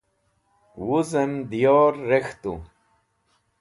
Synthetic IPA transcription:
wuzemd̪ijoːɾːext̪ṵ

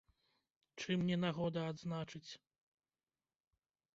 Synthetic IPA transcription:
t͡ʂɨmnʲɛnaɣɔd̪ɐːd̪znat͡ʂɨt͡sʲ

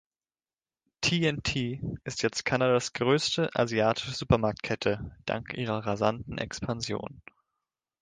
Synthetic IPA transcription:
tʰiːɛntʰiːʔɪstjɛt͡stkʰanadasɡ̥ʁøːstʰəʔa̰ziaːtʰɪ̥ʃəzuːpɐmaɐk̚t̚kʰɛtʰəd̥a̰ŋkʔiːʁɐʁazantn̩ʔɛ̰kspʰanzjo̰ːn

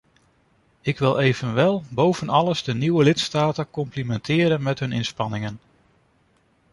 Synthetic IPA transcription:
ɪkʋɪlˠejv̥ənʋɛlˠbowv̥ənɑlˠəzdəniwəlɪtstaːtəkɔmplimɛntʰɪːɾənmɛtɦɵnɪnspɑnɪŋən

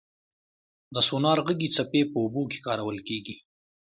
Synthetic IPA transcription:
d̪əsunɑːɾɣəɡit͡sapepəʊboke̥kɑːɾawəlkeːɡi

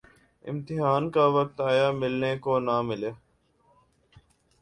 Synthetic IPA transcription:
ɪ̰mt̪ɪɦaːnkaːʋək̚t̪aːjaːmɪlneːkoːnaːmɪleː

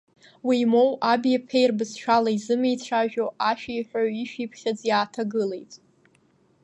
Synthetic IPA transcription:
wiːmo̞wʔabijapʰejrbɨzʃʷᶣalaizɨmejt͡ɕʷʰaʒᶣoʔaʃᶣaiħʷᶣaɥiʃᶣipʰχʲad͡zjaːtʰaɡɨle̞jtʼ

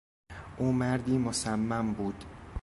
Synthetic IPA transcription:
ʔuːmæɾd̪iːmosæmːæmbuːd̪̥

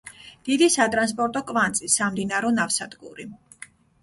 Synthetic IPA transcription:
d̪̥id̪isat̪ʼɾans̬pʼɔɾt̪ʼɔkʼvant̪sʼisamd̪inaɾɔnafsad̪ɡṵɾi

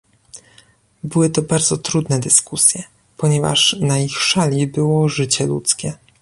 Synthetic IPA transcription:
bɘwɘt̪ɔbaɾd̪zɔt̪ɾud̪nɛd̪ɘskusʲjɛ | pɔɲɛva̰ʂnaixʂalʲibɘwɔʐɘt͡ɕɛlṵt̪skʲɛ

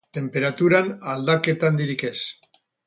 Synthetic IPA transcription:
t̪e̞mpeɾat̪uɾanald̪aket̪and̪iɾikes

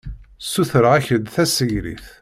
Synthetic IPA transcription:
suθəɾʁæçəd̪θæsəʝɾḭθ

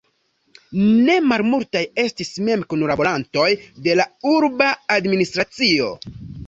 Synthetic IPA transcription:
ne̞malmultaje̞stisme̞mkonuɾabolanto̞jde̞lauɾbaːdministɾat͡sio̞̰

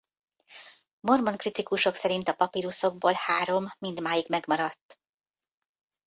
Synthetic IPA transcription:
mo̞rmo̞ŋkrit̪ikuʃo̞ksɛɾint̪ɒpɒpiɾuso̞ɡ̚boːlhaːɾo̞mːind̪maːjiɡmɛɡmɒɾɒt̪ː

